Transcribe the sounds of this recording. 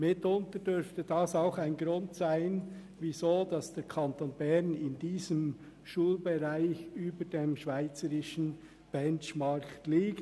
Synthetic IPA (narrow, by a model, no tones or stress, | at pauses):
mɪtʊntədʏɾftədɑsaʊxaɪnɡɾʊntsaɪn | vizoːdɑsd̥ɛːɾkʰɑntoːnbɛʁnɪndiːzəm | ʃuːlbeʁaɪçyːbədemʃv̥aɪt͡səɾɪʃən̩ | b̥ɛnt͡ʃmɑɾktliːkt